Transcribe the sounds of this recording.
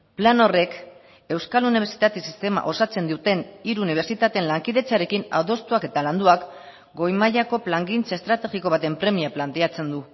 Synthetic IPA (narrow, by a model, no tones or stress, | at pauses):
plano̞re̞k | e̞wskaluniβe̞ɾsi̥t̪at̪esist̪e̞ma̰ʔo̞sat͡se̞nd̪iut̪e̞niɾuːniβ̞e̞ɾsit̪at̪eenlaŋkiðe̞t͡saɾe̞kina̰ðo̞st̪uake̞t̪aland̪uak | ɡo̞jmaʎako̞plaŋɡint͡sae̞st̪ɾat̪e̞ɣiko̞β̞at̪e̞mpɾe̞miaplant̪e̞at͡se̞nd̪u